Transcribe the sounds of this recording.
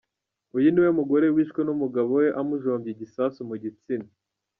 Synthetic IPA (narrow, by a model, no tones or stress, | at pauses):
ujiniwemuɡo̞ɾewiːʃkwenumuɡaβoweʔamuʒo̞ːmbjiɟisaːsumuɟit͡sini